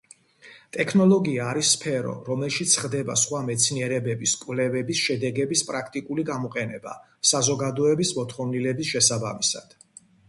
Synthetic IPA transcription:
t̪ʼɛkʰnɔlˠɔɡiaːɾisːpʰɛɾɔ̰ɾɔmɛlˠʃit̪sʰχd̪ɛba̰sχwamɛt̪sʰniɛɾɛbɛbiskʼwlɛvɛbisʃɛd̪ɛɡɛbispʼɾakʰt̪ʼikʼuliɡamɔqʼɛnɛba̰ | sazɔɡad̪ɔɛbismɔt̪ʰχɔvnilɛbisʃɛsabamisa̰d̪̥

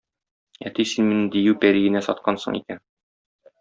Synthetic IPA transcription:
æ̰t̪isinminɘd̪ijʉwpæɾiɡɘ̆næsɒt̪̚qɑnsɤ̰ɴḭkæn

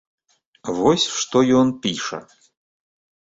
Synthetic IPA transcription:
vɔsʲʂt̪ɔjɔnpʲiʂɐ̰

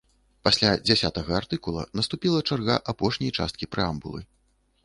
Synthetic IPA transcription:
pasʲlʲad͡zʲasʲat̪ɐɣɐart̪ɨkulˠɐ̰nɐst̪upʲilˠɐt͡ʂarɣaʔapɔʂnʲɐjt͡ʂa̰st̪kʲipɾɛambṵlˠɨ̰

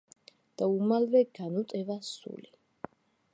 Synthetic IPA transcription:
d̪̥aumalvɛɡ̥anut̪ʼɛvasṵli

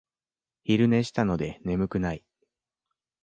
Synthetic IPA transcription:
çiɾɯ̟ne̞ɕi̥t̪ano̞d̪e̞ne̞mɯ̟kɯ̟nai

